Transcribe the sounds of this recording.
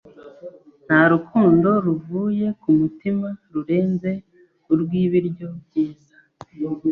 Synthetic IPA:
n̥haɾukʰuːndo̞ɾuvuːje̞kumutimaɾuɾe̞ːnze̞ | uɾɡwiːβiɾɟo̞bɟiːza

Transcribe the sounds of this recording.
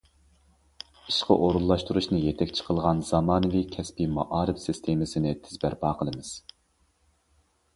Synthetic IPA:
iʃqə̰ʔoɾulˠːɑʃt̪uɾuʃnɨjɛt̪ʰɛkʲt͡ʃʰə̥qʰəlˠʁɑnz̥ɑmɑːnɨvikʲʰɛspimɑʔɑːɾɨfsist̪ʰemɨsɪnɪt̪ʰɪzbæɾpɑːqʰəlˠɨmɨz̥

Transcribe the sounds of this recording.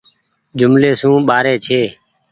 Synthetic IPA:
d͡ʒʊmleːsũːɓaːɾeːt͡ʃʰeː

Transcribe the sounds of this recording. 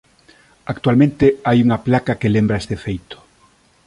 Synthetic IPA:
akt̪ualmẽnt̪eajuŋaplakakelẽmbɾaest̪efejt̪o̥

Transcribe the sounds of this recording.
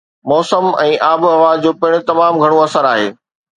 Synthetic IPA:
mɔːsəmɛ̃ːʔaːbɐʋaːd͡ʑoːpɪɪɽ̃ʊt̪ɐmaːmɡʱɐɽ̃õɐsəɾaːɦeː

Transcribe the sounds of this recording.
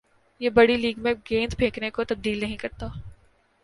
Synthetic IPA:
jeːbɐɽiliːɡmẽɡẽːnd̪bʱeːknekot̪ɐb̚d̪iːlnɐɦĩkɐɾt̪aː

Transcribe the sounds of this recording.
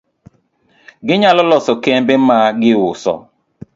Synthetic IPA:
ɡɪɲalɔlɔsɔkɛmbɪmaːɡɪʊsɔ̰

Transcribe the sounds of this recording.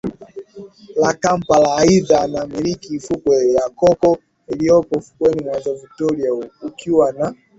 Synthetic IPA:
lakampalaːiðanamiɾikifukwɛjakɔkɔ | ilijɔpɔfu̥kwɛnimwazɔvitɔɾiaukʰiwana

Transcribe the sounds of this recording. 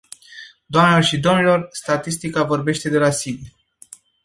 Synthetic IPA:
d̪oamnelo̞rʃid̪o̞mnilo̞rst̪at̪ist̪ikavo̞rbe̞ʃt̪e̞d̪e̞lasin

